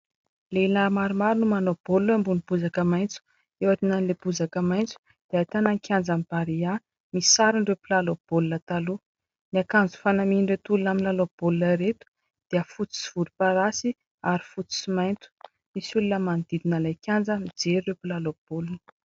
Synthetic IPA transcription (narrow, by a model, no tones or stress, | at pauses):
leinaɾmaɾimaɾinumanob̥oluambunib̥uzakəmajnt͡su̥ | ewaʈ͡ʂinanileb̥uzakəmajnt͡su̥ | d̪̥eat̪anaŋkʰʲand͡zamib̥aɾia | misaɾiɳrewpilalob̥olunət̪alu | niakand͡zu̥fanamiinɖ͡ʐewt̪ulunaminlalob̥olunəɾet̪u̥ | d̪̥eəfut͡si̥si̥v̥uɾipaɾasi | aɾi̥fut͡su̥simajnt̪u̥ | misulunəmand̪id̪inalajkʰʲand͡zəmid͡zeɾirewpilalob̥olunə